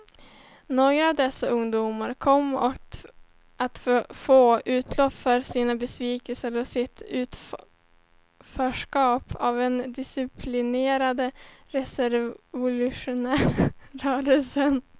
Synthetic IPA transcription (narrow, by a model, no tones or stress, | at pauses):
noːɡɾaavd̪ɛsːaʔɵŋd̪uːmaɾkʰɔmːɔ | at̪foːʔʉ̟ːt̪ʰlɔpfœɾsiːnabɛsviːkəlsəɾɔsɪt̪ʰʉ̟ːt̪ | fœːʂkɑːpʰavɛnd̪ɪsɪpʰlɪneːɾad̪əɾɛsɛɾvʊlʉʂʊnæːœːɾəlsən